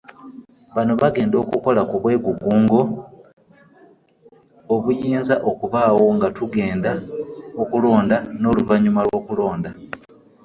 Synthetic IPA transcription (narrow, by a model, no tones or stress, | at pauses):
βano̞βaɡe̞ːndo̞ːkuko̞lakuβwe̞ːɡuɡuːŋɡo̞ | βujiːnzaʔo̞kuvaːwo̞ŋɡatuɡe̞ːndaokulo̞ːndano̞ːluvaɲumalwo̞ːkulo̞ːnda